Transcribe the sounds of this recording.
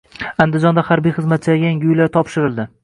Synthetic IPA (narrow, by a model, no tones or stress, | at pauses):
and̪ɪd͡ʒɒnd̪ahaɾbijχɨzmat̪̚t͡ʃʰaɡʲaaŋʲʊjlaɾt̪ʰɒpʃɪɾɪld̪ɪ